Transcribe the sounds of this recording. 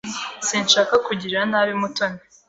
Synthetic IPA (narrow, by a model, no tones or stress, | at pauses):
siːnʃaːkakuɟiɾanaːβimutone